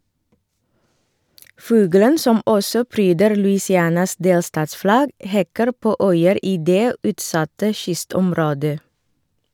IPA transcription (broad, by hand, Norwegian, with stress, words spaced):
ˈfʉːɡələn ˈsɔm ˈɔsɔ ˈpɾyːdəɾ lʉɪsɪˈæːnɑs ˈdeːlstɑːtsˌflɑɡ ˈhɛkəɾ ˈpoː ˈœʏəɾ ˈiː ˈdeː ˈʉːtˌsɑtə ˈʃʏstɔmˌɾoːdə